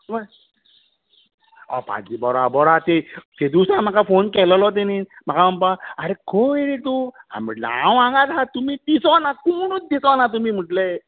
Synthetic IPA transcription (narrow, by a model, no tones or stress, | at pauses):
ʋa | ɔ̰pã̰d͡ʑibɔɾabɔɾat̪et̪ed̪isɾam̤akafonkɛllɔt̪̬enim̤akaəmpaaɾekʰoiɾiʈ̪uɦa̰m̤əʈlãwʋãŋɡat̪ɦat̪umiːd̪isɔnakoɽ̃ut͡sd̪isɔnat̪̬umiːm̤əʈle